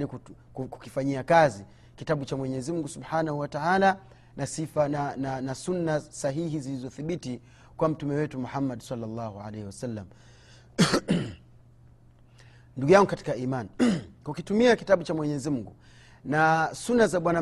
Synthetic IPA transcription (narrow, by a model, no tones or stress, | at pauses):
niu | ku̥kifaɲiakazi | kitaɓut͡ʃamwɛɲɛziuŋɡusuɓħanahuwataʕala | nʔasifaananasunːasaɦihizilizɔθiɓiti | kwam̩tumɛwɛtumuħamːadsɑlːalːɑhuʕa̰lɛhiwasalːa̰m | nduɡujaŋɡukati̥kaiːmankukitumiakitaɓut͡ʃamwɛɲɛzimuŋɡu | nasunːazaɓwana